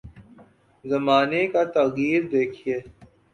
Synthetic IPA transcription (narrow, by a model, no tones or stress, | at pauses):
zɐmaːnekat̪ɐɣiːɾd̪eːkʰieː